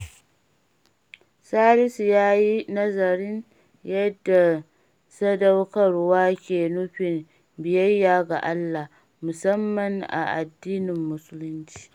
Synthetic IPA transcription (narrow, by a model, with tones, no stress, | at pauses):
saː˦ɾɪ˦sjaː˦ji˦nɐ˦zɐ˨ɾɪ˦n | jɐ˦dːa˨ | sɐ˦dɐ˦wkɐ˨rwaː˦kʲeː˨nʊ˦ɸɪ˨m | bɪ˨jɐ˦jːaː˨ɡa˨ʔa˦lːa˨ | mʊ˨sɐ˦mːɐ˨ŋʔa̰˨ʔa̰˨dːiː˦nɪ˨mːʊ˦sʊ˦lʊ˦nt͡ʃi̥ː˦